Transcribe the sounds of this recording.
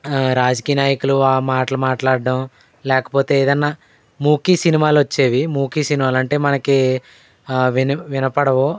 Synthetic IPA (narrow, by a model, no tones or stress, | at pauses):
ɾaːd͡ʒɐkiːjɐnaːjɐkuluaːmaːʈɐlumaːʈlaːɽɖɐm | lɛːkɐ̥po̞ːt̪e̞ːeːd̪ɐnːaː | muːkisinimaːluʋɐt͡ʃːeːʋimuːkiːsinimaːlɐɳʈe̞ːmɐnɐki | ʋinɐʋinɐpɐɽɐʋo